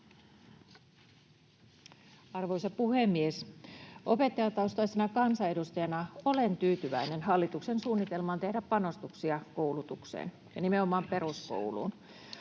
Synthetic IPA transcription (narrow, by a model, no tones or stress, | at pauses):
ɑrʋojsɑpuhe̞mːiesʔo̞pe̞t̪ːɑjɑt̪ɑust̪ɑisenɑkɑnsɑe̞dust̪ɑjɑnɑo̞lent̪yːt̪yʋæine̞nɦɑlːit̪uksensuːnːit̪e̞lmɑːnt̪e̞hdæppɑno̞st̪uksiɑkowlut̪uksḛːn | jɑnimeo̞mɑːmpe̞ɾusko̰wlṵːn